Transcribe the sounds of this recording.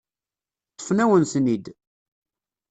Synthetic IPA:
t̪ˤːə̥fnæwənsnid̪

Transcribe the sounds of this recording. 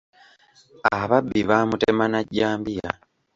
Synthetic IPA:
aβabːiβaːmutemanaɟːaːmbija̰

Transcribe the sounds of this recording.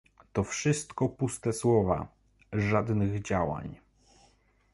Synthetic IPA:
t̪ɔfʂɘst̪kɔpust̪ɛswɔva̰ | ʐad̪nɘɣd͡ʑawa̰ɲ

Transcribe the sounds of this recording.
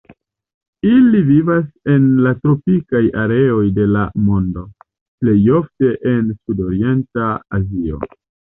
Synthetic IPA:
ilivivase̞nlatɾo̞pikajaɾe̞o̞jde̞lamo̞ndo̞ | ple̞jo̞fte̞ʔensudo̞ɾie̞ntaa̰zio̞̰

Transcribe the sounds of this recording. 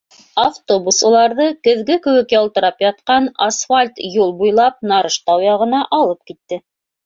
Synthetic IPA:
aft̪obusulˠɑɾðɤkɘ̆ðɡɘkɘ̆wɘkjɑlˠt̪ɤ̆ɾɑpjɑt̪̚qɑnasfalʲt̪julˠbujlˠɑp̚nɑɾɤʃt̪ɑwjɑʁɤ̆nɑʔɑlˠɤp̚kit̪ːɘ

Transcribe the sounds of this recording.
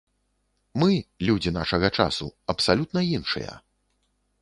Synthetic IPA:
mɨlʲud͡zʲina̰ʂɐɣɐt͡ʂa̰sṵɐpsalʲut̪̚nɐinʂɨ̰jɐ̰

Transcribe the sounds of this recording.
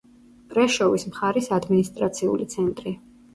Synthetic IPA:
pʼɾɛʃɔvismχaɾisad̪minist̪ʼɾat̪sʰiṵlit̪sʰɛnt̪ʼɾi

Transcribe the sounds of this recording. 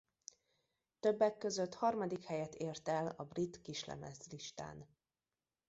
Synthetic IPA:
t̪øbːɛkːø̞zøt̪hɒrmɒd̪ikhɛjɛt̪eːrt̪ɛlɒbrit̪kiʃlɛ̰mɛ̰zliʃt̪a̰ːn

